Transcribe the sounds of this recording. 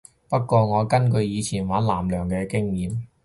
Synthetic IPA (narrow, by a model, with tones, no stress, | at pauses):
pɐ˥t̚kːʷɔː˧ŋɔː˨˧kɐ˥nkɵ˧ɥjiː˨˧t͡sʰiː˨˩nwaː˨˥nlaː˨˩mlœː˨˩ŋkɛː˧kɪ˥ŋjiː˨m